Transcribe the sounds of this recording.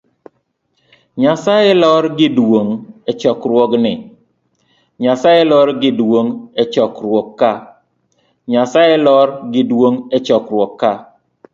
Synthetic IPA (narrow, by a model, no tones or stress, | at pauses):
ɲasajelɔɾɡɪdwoŋɛt͡ʃɔkɾwɔknɪ | ɲasajelɔɾɡɪdwoŋɛt͡ʃɔkɾwɔkːa | ɲasajelɔɾɡɪdwoŋɛt͡ʃɔkɾwɔkːa